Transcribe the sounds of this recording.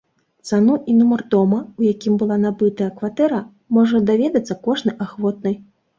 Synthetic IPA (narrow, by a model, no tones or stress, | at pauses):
t̪sanuʔinumɐrd̪ɔmɐujakʲimbɨlˠanabɨt̪ɐjɐkvat̪ɛɾɐ | mɔʐɐd̪avʲɛd̪ɐt̪sːɐkɔʐnɨjʔaxvɔt̪̚nɨj